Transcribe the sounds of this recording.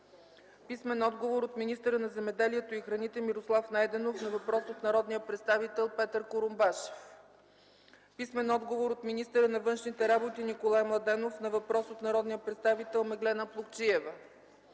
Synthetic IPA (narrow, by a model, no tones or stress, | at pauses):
pismɛnɔd̪ɡovoɾot̪minist̪əɾənɐzɛmɛd̪ɛliɛt̪oixɾɐnit̪ɛmiɾoslˠafnajd̪ɛnofnɐvɐpɾɔsot̪nɐɾɔd̪nijəpɾɛt̪st̪avit̪ɛlˠpɛt̪əɾkoɾʊmbaʃɛ̥f | pismɛnɔd̪ɡovoɾot̪minist̪əɾənɐvɤnʃnit̪ɛɾabot̪inikolˠajmlˠɐd̪ɛnofnɐvɐpɾɔsot̪nɐɾɔd̪nijəpɾɛt̪st̪avit̪ɛlˠmɛɡlɛnəplˠukt͡ʃiɛvə